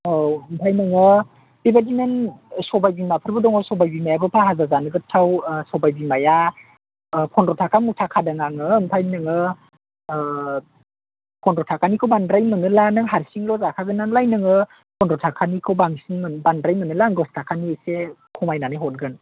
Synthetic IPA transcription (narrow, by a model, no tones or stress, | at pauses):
mpʰajnɯŋɯ | bebadinensɔbajbimapʰɯɾbɯdɔŋɔsɔbajbimajabɯpʰaɦazazanɯɡɯtʰawsɔbajbimaja | pʰɔndɾɔtʰakʰamutʰakʰadaŋaŋɯmpʰajnɯŋɯ | pʰɔndɾɔtʰakʰanikʰɯwbandɾajmɯnɯlanɯŋɦaɾsiŋlɔzakʰaɡɯnːaŋlajnɯŋɯ | pʰɔndɾɔtʰakʰanikʰɯwbaŋsiŋmɯnbandɾajmɯnɯlaŋɡɔstʰakʰanisekʰumajnanɯjɦɔt̚ɡɯn